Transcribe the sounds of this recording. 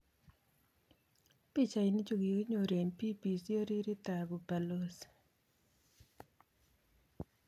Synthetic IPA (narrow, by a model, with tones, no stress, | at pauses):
pi˦t͡ʃa˨i˨ni˦t͡ʃo˨ɡi˨ki˦ɲo˨ɾe˨ɲpi˦pi˨so˦ɾi˦ɾi˦t̪a˨bo˨pa˨lo˦s